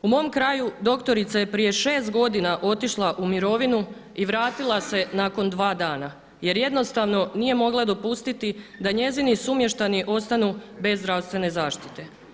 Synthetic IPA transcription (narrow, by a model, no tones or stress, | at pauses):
umo̞mkɾaːjud̪o̞kt̪o̞ɾit̪saje̞pɾije̞ʃe̞ːst̪̚ɡo̞d̪inaʔo̞t̪iʃlˠaʔumiɾo̞ʋinu | iʋɾaːt̪ilˠase̞naːko̞nd̪ʋaːd̪aːna | je̞ɾje̞d̪no̞st̪aʋno̞nije̞mo̞ɡlˠad̪o̞pust̪it̪id̪aɲe̞zinisumje̞ʃt̪aniʔo̞st̪anube̞zːd̪ɾawst̪ʋe̞ne̞zaːʃt̪it̪e̞